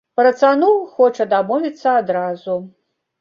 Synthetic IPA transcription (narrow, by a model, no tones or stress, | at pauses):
pɾɐt̪sanuwxɔt͡ʂɐd̪amɔvʲit̪sːɐad̪ɾazu